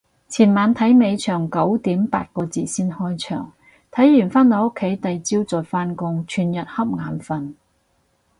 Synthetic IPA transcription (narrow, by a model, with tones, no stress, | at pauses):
t͡sʰiː˨˩nmaː˨˧nt̪ʰɐ˨˥jme˨˧jt͡ʃʰœː˨˩ŋkɐ˨˥wt̪iː˨˥mpa̰ː˧t̚kɔː˧t͡siː˨˩siː˥nhɔː˥jt͡ʃʰœ̰ː˨˩ŋ | t̪ʰɐ˨˥jːyː˨˩nfaː˥nt̪ɔː˨˧jʊ˥kʰːe˨˥jt̪ɐ˨jt͡siː˥wt͡sɔː˨˩faː˥nkʊ˥ŋt͡ʃʰyː˨˩njɐ˨t̚hɐ˥p̚ŋaː˨˧nfɐ˧n